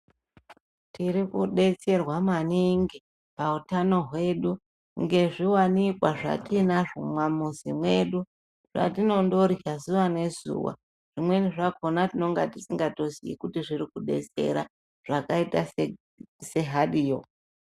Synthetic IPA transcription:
tiɾikuɗe̞t͡se̞rwamaniŋɡi | pautano̞ɦwe̞ɗu | ŋɡe̞ʐiwanikwaʐa̰tinaʐumwamuzḭmwe̞ɗu | ʐ̥a̰tino̞ndo̞ɾiazuʋane̞zṵwa̰ | ʐ̥imwe̞niʐako̞natino̞ŋɡatisiŋɡato̞sḭḭkutiʐiɾikuɗe̞̰t͡se̞̰ɾa̰ | ʐ̥akaita | se̞ɦaɗijo

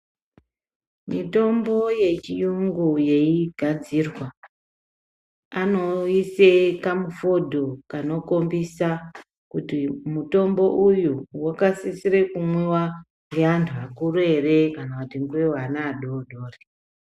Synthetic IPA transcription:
mito̞mbo̞je̞t͡ʃijuŋɡuje̞iɡʱad͡zirwa | ano̞isekamufo̞dʱo̞kano̞ko̞mbisa | kutimuto̞mbo̞ʔujuwakasisiɾekumwewa | ŋɡe̞antʰuakuɾuere̞kanakutiŋɡuwewanaːɗoɗoːre

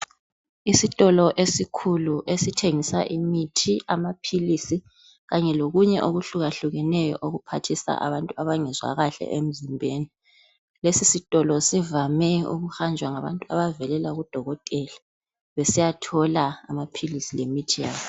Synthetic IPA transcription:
isitʼɔlɔʔesikʰuluʔesitʰeŋisa̰ʔimitʰiʔamapʰilisi | ɣaɲɛloɣuɲɛʔoɣuɬuɣaɬuɣɛnɛjɔ̰ʔoɣupʰatʰisa̰ʔa̰βantʼuaβaŋɛzwa̰ɣaɬɛ̰ʔem̩zimbʱeːni | lesisitʼɔlɔsivamɛṵɣuxand͡ʒʱwaŋaβa̰ntʼua̰βavɛlɛlaɣud̥ʱɔɣɔtʼɛla | βesijatʰɔlaamapʰilisilemitʰijaːβɔ

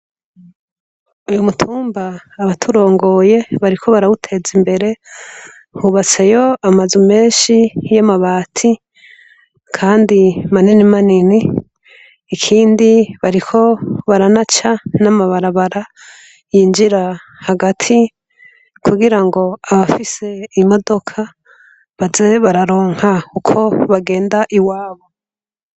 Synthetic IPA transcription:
ujumutʰuːmbaːβatʰuɾo̞ːŋɡo̞je̞βaɾikʰo̞βaɾaβutʰe̞zimbe̞ɾe̞ | huβat͡sejo̞amazume̞ːnʃijamaβaːtʰi | kʰaːndimaninimaniniː | kʰiːndiβaɾikʰo̞βaɾanat͡ʃanamaβaɾaβaɾa | jiːnd͡ʒiɾa | haɡatʰi | kʰuɡiɾaŋɡo̞aβafise̞imo̞do̞kʰa | βazeβaɾaɾo̞ːŋ̥hakukʰo̞βaɡe̞ːndaʔiwaːβo̞

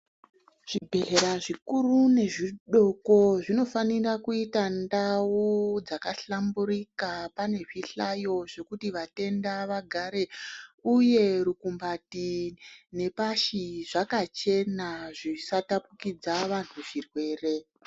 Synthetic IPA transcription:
ʐ̥ibʱe̞ɮe̞ɾaʐikurune̞ʐiɗo̞ko̞ʐino̞fanirakuitandaud͡zakaɬamburikapane̞ʐiɬajo̞ʐe̞kutiʋate̞ndaʋaɡʱaɾe̞uje̞rukumbatine̞paʃiʐakat͡ʃe̞naʐisatapukid͡zaʋan̤uʐirwe̞ːre̞

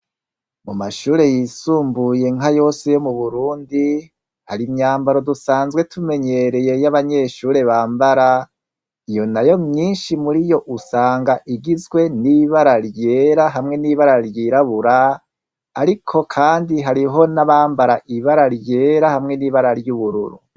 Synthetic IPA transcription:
mumaʃuːɾe̞jiːsuːmbuje̞ŋajo̞ːse̞jo̞muβuɾuːndi | haɾimɲaːmbaɾo̞dusaːnzɡwe̞tʰume̞ɲe̞ɾe̞je̞jaβaɲe̞ːʃuːɾe̞βaːmbaɾa | ijo̞najo̞mɲiːnʃimuɾijo̞ʔusaːŋɡaʔiɡizɡwe̞niβaɾaɾje̞ɾaɦamŋe̞niːβaɾaɾjiɾaβuɾaː | ɾikʰo̞kʰaːndiɦaɾiɦo̞naβaːmbaɾaʔiβaɾaɾje̞ːɾahamŋe̞niβaɾaɾjuβuɾṵɾṵ

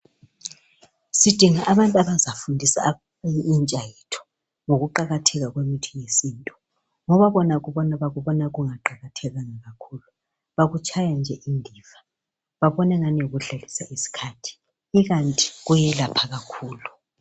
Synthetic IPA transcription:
sid̥ʱiŋaʔaβantʼaβazafundʱisa̰ | iint͡ʃʼajitʰɔ̥ | ŋoɣuǃaɣatʰɛɣaɣwemitʰi̥ŋesiːntʼɔ | ŋɔβaβɔnaɣuβɔnaβaɣuβɔnaɣuŋaǃaɣatʰɛɣaŋaɣakʰuːlu | βaɣut͡ʃʰʼajand͡ʒʱɛʔindʱiːva | βaβɔnɛŋanioɣuɮalisaisi̥kʰatʰi̥ː | ɣantʼi̥ɣujɛlapʰaɣakʰuːlu

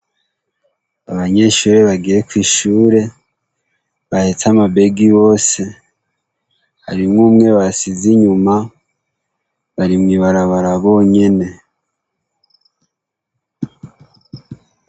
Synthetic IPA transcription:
aβaɲe̞ʃuːɾe̞βaɡiɾekwiːʃuːɾe̞ | βahet͡samabe̞ɡiβo̞ːse̞ | ha̰ɾimŋuːmŋe̞βasiziɲuma | βaɾimŋiβaɾaβaɾaβo̞ːɲe̞ne̞

